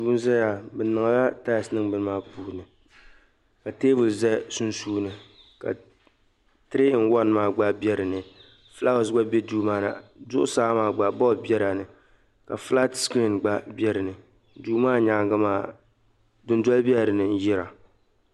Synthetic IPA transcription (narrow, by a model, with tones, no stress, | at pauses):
duː˨˦n˦za˦ja˨bɛ˨nɨ˨ŋa˨la˦ta˦˨snɨ˦ŋbɨ˨n˦maː˦puː˦˨nɨ˨ | ka˨teː˦vʊ˨lzɛ˦sʊ˦nsuː˦nɨ˨ | ka̰˨ | tɨ˦ɾe˦n̩˦wa˦n˦maː˦ɡ͡ba˦bɛ˦ɾɨ˨nɨ˨ | fla˦˨sɡ͡ba˦bɛ˦duː˦maː˦˨na̰˨zʊ˦ʔʊ˦saː˦maː˦˨ɡ͡ba˨bɔ˦˨bjɛ˦ɾa˨nɨ˨ | ka˨fla˦tski˦˨nɡ͡ba˦bɛ˦ɾɨ˨nɨ˨ | duː˨˦maː˦ɲa˨ŋ˦ɡa˦maː˦ | dɨ˦n˦dɔ˦lbi˦ɛ˦˨ɾɨ˨nɨ˨n̩˦jɪ˦ɾa˨